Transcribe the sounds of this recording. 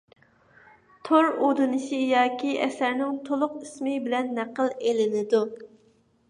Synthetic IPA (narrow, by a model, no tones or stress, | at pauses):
t̪ʰoɾod̪ɨnɨʃɪjɑːkʲiɛsæɾnɪŋt̪ʰolˠʊqismɪbɪlɛnːæqʰəlˠelɪnɪd̪u